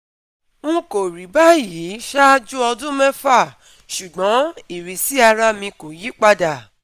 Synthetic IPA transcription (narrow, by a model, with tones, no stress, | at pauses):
ŋũ˦ko˨ɾi˨˦ba˦˨ji˨˦ʃa˦d͡ʒu˦ɔ˧dũ˦mɛ̃˦fa˦˨ | ʃu˨ɡ͡bɔ̃˨˦i˨ɾi˨si˨˦a˧ɾa˦mĩ˧ko˨ji˨˦k͡pa˦da˨